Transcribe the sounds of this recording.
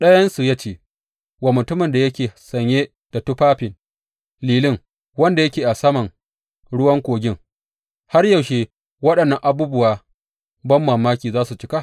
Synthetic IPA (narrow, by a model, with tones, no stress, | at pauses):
ɗɐ˦jɐ˦nsu˨ja˦t͡ʃeː˦ | waː˨mʊ˨tʊ˦mɪ˨nda˨jɐ˦kʲeː˨sɐ˨ɲjeː˦ | d̥a˨tʊ˦ɸaː˦ɸɪ˨n | liː˨lɪ˦ŋ | wɐ˦nda˨jɐ˦kʲeː˨ʔa˨sɐ˦mɐ˨ŋ | ɽʊ˦wɐ˦ŋkʷoː˨ɡʲɪ˦ŋ | ha˦rjɐ˨wʃeː˦˨ | wɐ˦ɗɐ˨nːɐ˨ŋʔa˨buː˦bʊ˨waː˨ | bɐ˦mːaː˨maː˦kʲiː˨zaː˦su˨t͡ʃɪ˦ka˦˨